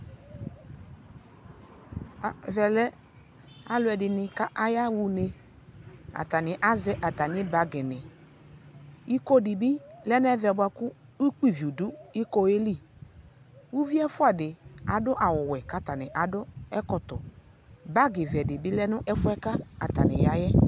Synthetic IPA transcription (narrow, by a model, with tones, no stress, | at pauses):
vɛ˨lɛ˦ | a˨lʊ˨˦ɛ˨dɪ˨nɪ˨ka˦ʔa˦ja˦wu˨ne˨ | a̰˨ta˨nɪ˨ʔa˦zɛ˦ʔa˨ta˨nɪ˦ba˨ɡɪ˨nɪ˨ | i˦ko˦dɪ˨bi˦lɛ˦n˦ɛ˦vɛ˨bʊ˦a˧˨kʊ˦i˦k͡pi˨vi˨u˨du˦i˦ko˦e˦li˦˨ | wu˦vi˦ɛ˦fʊ˦a˨dɪ˨a˨dʊ˦ʔa˨wʊ˨wɛ˨ka˦ta˨nɪ˨ʔa˨dʊ˦ɛ˦kɔ˨tɔ˨ | ba˦ɡɪ˨vɛ˨dɪ˨bɪ˦lɛ˦nʊ˦ʔɛ˦fʊ˦ɛ˦ka˦a˨ta̰˨nɪ̰˨ja˨˦jɛ˦